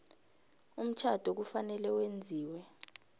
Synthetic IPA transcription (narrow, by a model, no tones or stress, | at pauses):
um̩t͡ʃʰad̥ʱok̬ufanɛlɛwend͡zʱiːwɛ